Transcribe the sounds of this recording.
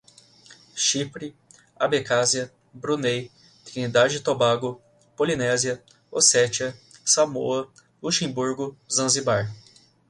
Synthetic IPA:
ʃipɾi | abekaziɐ | bɾunej | t̪ɾinid̪ad͡ʒɪt̪obaɡʊ | polinɛziɐ | osɛt͡ʃiɐsamo̰ɐ | luʃẽbuɾɡʊzɐ̃zibaɾ

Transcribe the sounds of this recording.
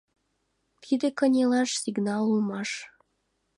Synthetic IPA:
t̪ʰid̪ekənʲelɑʃsiɡnɑlumɑʃ

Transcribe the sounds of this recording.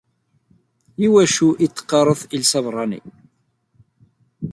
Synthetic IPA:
jiwæʃuʔit͡sːə̥qːɑɾˤəθilsɑvrˤːɑnḭ

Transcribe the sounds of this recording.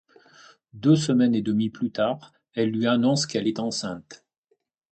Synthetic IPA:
d̪øsəmɛned̪əmiplyt̪aːʁ | ɛlːɥianɔ̃skɛlɛt̪ɑ̃sɛ̃t̪

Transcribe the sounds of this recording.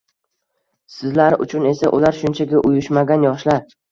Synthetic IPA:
sɪzlaɾɪʔʊ̰t͡ʃʰʊne̞saʔʊlaɾʃʊnt͡ʃʰaɡʲaʔʊjʊʃmaɡʲanjɒʃlaɾ

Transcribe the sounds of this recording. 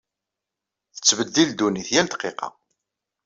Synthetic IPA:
θə̥t͡sːvəd̪ːild̪uniθjælt̪qːeqɑ̰

